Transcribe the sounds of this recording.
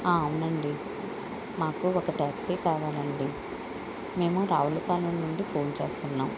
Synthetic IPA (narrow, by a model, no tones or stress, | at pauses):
aːɐunɐɳɖi | maːkuɔkɐʈaːksikaːʋaːlɐɳɖi | me̞ːmuɾaːʋulupaːlɐnnuɳɖipʰo̞ːnt͡ʃe̞̰ːst̪unːaːm